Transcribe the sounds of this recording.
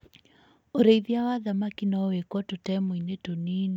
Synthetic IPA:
oɾeiðjawaðamakinaɔwekwɔtotɛːmoinetoniːni

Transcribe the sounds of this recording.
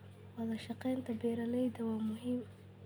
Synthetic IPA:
walaʃaqent̪abeɾaləjd̪awamʊɦɪm

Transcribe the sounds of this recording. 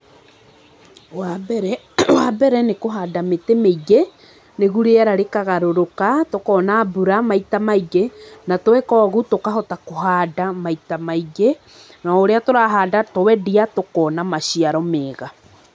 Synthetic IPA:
wabɛɾɛ | wabɛɾɛnekoɦadametemeiɣe | neɣuɾeaɾaɾekaɣaɾoɾokatokɔnabuɾamaitamaiɡenatwɛkɔːɣutokaɦɔtakoɦaːdamaitamaiɡe | naoɾeatoɾaɦaːdatowɛdiatokɔːnamaʃiaɾɔmeːɣa

